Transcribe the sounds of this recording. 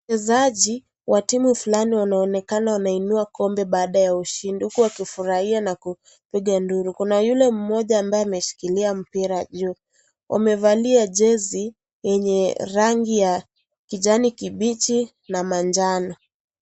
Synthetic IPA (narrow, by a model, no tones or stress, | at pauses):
ɛzaʄi | wʔatimufulaniwanaɔnɛkanawanainuakɔmbɛɓaːɗajauʃindihukuwakifuɾahianaku | piɠanduɾukunajulɛm̩mɔʄaːmbaɛamɛʃi̥kiliam̩piɾaʄu | wʔa̰mɛvaliaʄɛzi | jɛɲɛɾaŋɡija | kiʄanikiɓit͡ʃi | namand͡ʒanɔ